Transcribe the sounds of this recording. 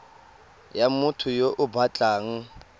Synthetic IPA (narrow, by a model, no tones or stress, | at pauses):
jamutʰujoʔʊbʱat͡ɬʼaːŋ̩